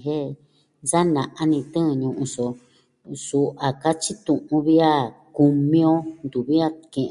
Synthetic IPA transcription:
ɦe˦˧ | za˦nã˨ʔa˧nĩ˧t̪ɨ̃˦˧ɲũ˧ʔũ˧so˧ | su˧ʔa˨ka˦t͡ʃi˦t̪ũ˨ʔũ˧βi˦a˦ku˧mĩ˦õ˦nd̪u˨βi˦a˦kẽ˧ʔ

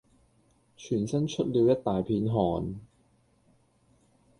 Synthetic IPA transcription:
t͡ʃʰyː˨˩nsɐ˥nt͡ʃʰɵ˥t̚liː˨˧wjɐ˥t̚t̪aː˨jpʰiː˧˥nɦɔː˨˩n

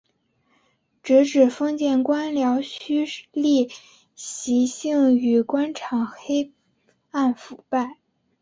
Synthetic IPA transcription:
ʈ͡ʂɻ̩˧˥ʈ͡ʂɻ̩˨˩fɤ˥ŋt͡ɕjɛ˥˩nkwa˥nljɑ˧˥ʊɕy˥li˥˩ | ɕi˧˥ɕi˥˩ŋy˨˩kwa˥nʈ͡ʂʰɑ˨˩ŋxe˥ɪ | a˥˩nfu˨˩pa˥˩ɪ

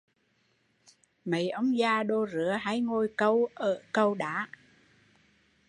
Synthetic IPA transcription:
mə˨˦jʔə˧˦wŋ͡mzaː˧ɗo˧zɨ˨˦əɦa˨˧˥jŋo˧jkə˧wʔəː˧˩kə˧wɗa̰ː˧˥˦

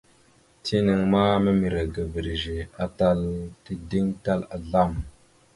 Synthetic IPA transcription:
tʰi˦nə˨ŋma˦mə˦mi˨ɾa˨ɡa˨vi˨ɾi˨ʒe˨a˦ta˦lti˦di˦ŋta˦la˨ɮa˦˨m

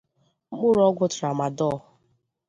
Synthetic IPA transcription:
ŋ͡m̩˦k͡pʊ˦ɾɔ˦ɡʷʊ˦tɾa˨ma˨dɔ˦˨˦ʊ˨

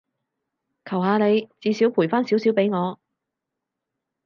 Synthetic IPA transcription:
kʰɐ˨˩wɦaː˨˧ne˨˧jt͡siː˨˧si˨˥wpʰu˨˩jfaː˥nsiː˨˥wsiː˨˥wpe˨˥jŋɔː˨˧

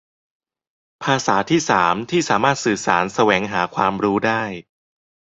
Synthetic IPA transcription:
pʰaː˧saː˩˦t̪ʰiː˥˩saː˩˦mt̪ʰiː˥˩saː˩˦maː˥˩t̪̚sɯː˨˩saː˩˦nsa˧wɛː˩˦ŋɦaː˩˦kʰwaː˧mɾuː˦˥daː˥˩j

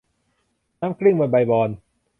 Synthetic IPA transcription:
naː˦˥mkɾi˥˩ŋmu˧nba˧jbɔː˧n

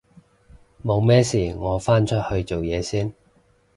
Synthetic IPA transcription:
mo˨˧wmɛː˥siː˨˩ŋɔː˨˧faː˥nt͡ʃʰɵ˥t̚hɵ˧ɥt͡so˨wjɛː˨˧siː˥n

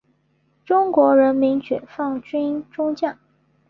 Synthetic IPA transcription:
ʈ͡ʂʊ˥ŋkwɔ˧˥ɻə˧˥nmi˧˥nt͡ɕɥɛ˨˩fɑ˥˩ŋt͡ɕy˥nʈ͡ʂʊ˥ŋt͡ɕjɑ˥˩ŋ

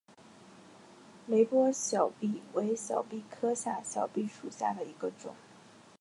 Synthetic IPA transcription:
le˧˥ɪpwɔ˥ɕjɑ˨˩ʊpi˥˩we˧˥ɪɕjɑ˨˩ʊpi˥˩kʰɤ˥ɕja˥˩ɕjɑ˨˩ʊpi˥˩ʂu˨˩ɕja̰˥˩d̪ə˩i˧˥ɡə˧ʈ͡ʂʊ̰˨˩˦ŋ

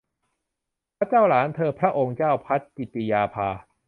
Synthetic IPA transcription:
pʰɾa˦˥t͡ɕaː˥˩wlaː˩˦nt̪ʰɤː˧pʰɾa˦˥ʔo˧ŋt͡ɕaː˥˩wpʰa˦˥t̪̚t͡ɕi˨˩t̪i˧jaː˧pʰaː˧

